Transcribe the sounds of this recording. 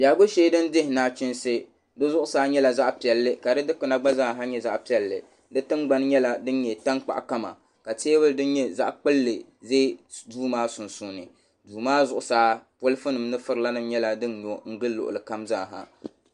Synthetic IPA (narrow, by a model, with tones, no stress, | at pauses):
bjaː˨ɡo˦ʃeː˦dɨ˦ndɪ˦hɪ˨naː˦t͡ʃɪ˦nsɨ˦ | dɨ˦zʊ˦ʔʊ˨˦saː˦ɲɛ˦la˨za˦ʔpi˨ɛ˨lːɨ˦ka˨dɨ˦dɨ˦kɨ˨na˨ɡ͡ba˦zaː˦˨ɦa˦ɲɛ˦za˦ʔpi˨ɛ˨lːɨ̰˨ | dɨ˦tɨ˦nɡ͡ba˦n˦ɲɛ˦la˦dɨ˦n˦ɲɛ˨ta˦ŋk͡pa̰˨ʔka˦ma̰˨ | ka˨teː˦bɨ˦ldɨ˦nɲɛ˦za̰˦ʔk͡pɨ˦lːɨ˨ | ze˦duː˦maː˦sʊ˨nsu˨nɨ˨ | duː˨maː˦zʊ˦˨ʔʊ˨saː˦po˦lɨ˦fɨ˦nɨ˨mnɨ˦fɨ˦ɾɨ˨la˦nɨ˦mɲɛ˦la˨dɨ˦nɲo˨ŋ̩˦ɡɨ˦lːʊ̰˨ʔʊ̰˨lɨ˨ka˦mza̰ː˦˨ɦa̰˨